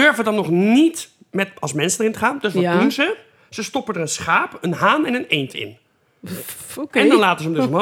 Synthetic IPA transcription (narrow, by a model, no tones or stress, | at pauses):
døɹvədɑnːɔχnit | mɛtɑlˠsmɛnsəndərɪntəχaːndɵsunzə | z̥əstɔpəndərənsχaːpənɦaːnɛnənejntʰɪ̰n | ɛndɑnlaːtəzəmdəsɔmo